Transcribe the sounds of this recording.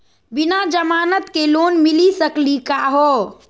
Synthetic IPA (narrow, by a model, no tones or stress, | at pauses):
binad͡ʒəmaːnət̪kelonmilisəklikaɦo